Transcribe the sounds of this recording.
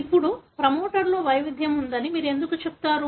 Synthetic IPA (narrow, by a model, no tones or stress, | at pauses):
ipːuɽupɾɐmo̞ːʈɐɾlo̞ːʋɐjʋid̪ʱjɐmund̪ɐnimiːɾue̞nd̪ukut͡ʃepu̥t̪aːɾu